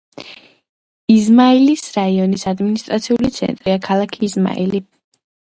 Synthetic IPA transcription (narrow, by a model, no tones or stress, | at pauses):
izmailisɾaiɔnisad̪minist̪ʼɾat̪sʰiulit̪sʰɛ̰nt̪ʼɾiakʰalˠakʰiːzma̰ḭli